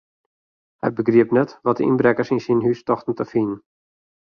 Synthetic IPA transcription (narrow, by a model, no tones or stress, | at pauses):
hɛ̰j̚bəɡriəpnɛtʋɔtdəḭnbrɛkərsinsinɦystɔxtən̩təfin